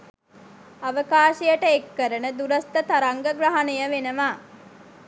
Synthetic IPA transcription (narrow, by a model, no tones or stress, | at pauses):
ɐʋəkaːʃijəʈəekːəɾənəd̪uɾɐst̪ət̪ɐɾɐŋɡəɡɾɐɦɐnejəʋenəʋaː